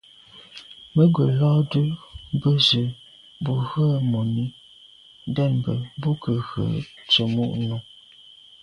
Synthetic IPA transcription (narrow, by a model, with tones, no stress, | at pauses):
mə˦ɡwə˨lɔː˦də˦bə˦zə˨ | bu˨ɣə˦˨mo˨ni˦ | dɛ˦˨n˨bə̰˨bu˦kə˨ɣə̰˨t͡ʃə˨mu˦˨ʔnu˦